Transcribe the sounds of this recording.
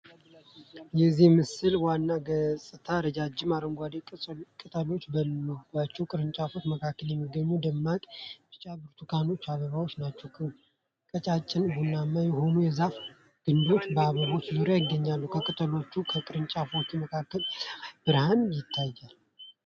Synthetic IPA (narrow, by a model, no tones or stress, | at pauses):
jɛzihmɨsɨlwanːaɡəsʼɨt̪ʰaɾəd͡ʒad͡ʒːɪmaɾəŋɡʷad̪ekʼɨt̪ʼəlo̞t͡ʃːbənməɡat͡ʃːɛwkʼɨɾɨnt͡ʃʼafo̞t͡ʃːməkʰakːəljɛmːiɡːəɲːud̪əmːakʼbɨt͡ʃʼːabɨɾt̪ʰukʰano̞t͡ʃːaβəβawo̞t͡ʃːnat͡ʃːɛwkʰ | kʼət͡ʃʼat͡ʃʼːɪnbonːamːajɛɦo̞nujɛzaf | ɡ̥ɨnd̪o̞t͡ʃːbəaβəβo̞t͡ʃːzɨɾojɪɡːəɲːalːukʰəkʼɨt̪ʰʼəlo̞t͡ʃːukʰəkʼɨɾɨnt͡ʃʼafot͡ʃːuməkʰakːəlb̥ɨɾhanjɪt̪ʰːajːal